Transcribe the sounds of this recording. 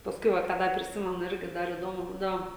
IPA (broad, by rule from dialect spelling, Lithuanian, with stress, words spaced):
pɐsˈkʊɪ ˈʋɐ kɑː ˈdɐr pʲrʲɪˈsʲɪmʲɛnʊ ˈɪrʲɡʲɪ ˈdɐr iːˈdoːmʊ ˈbuːdɐʋoː